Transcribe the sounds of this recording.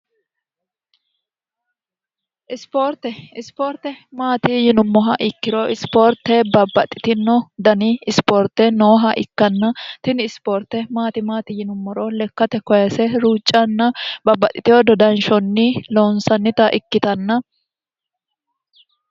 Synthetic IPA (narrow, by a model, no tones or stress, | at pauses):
ʔɪspoɾt̪ɛɪspoːɾt̪ɛmaːt̪ɪjɪnʊmːɔɦɐʔɪkːɪɾɔʔɪspoːɾt̪ːɛbɐbːɐt̪ʼːɪt̪ɪnːɔd̪ɐnɪɪspoːɾt̪ɛnoːɦɐʔɪkːɐnːɐt̪ɪnɪɪspoːɾt̪ːɛmaːt̪ɪmaːt̪ɪjɪnʊmːɔɾɔlɛkːɐt̪ɛkɔjɐsɛɾuːt͡ʃʼːɐnːɐbɐbːɐt̪ʼɪt̪ɪjɔd̪ɔd̪ɐnʃɔnːɪloːnsɐnːɪt̪ɐʔɪkːɪt̪ɐnːɐ